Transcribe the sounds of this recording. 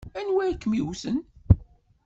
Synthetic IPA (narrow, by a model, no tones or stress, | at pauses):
ænwæjkːmiwsən